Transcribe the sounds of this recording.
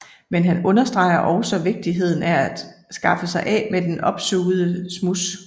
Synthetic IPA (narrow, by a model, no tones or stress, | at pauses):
menɦænɔ̽nɐsd̥ʁɑ̈ɪ̰ɐʔɒʊsɒ̽ʋe̝ɡ̥̚d̥iɦe̝ð̞̰ˠn̩ææd̥sɡ̥ɑ̈fəsɑ̈ɪʔɛ̰med̥enʔɒ̽b̥soːð̩ˠəsmus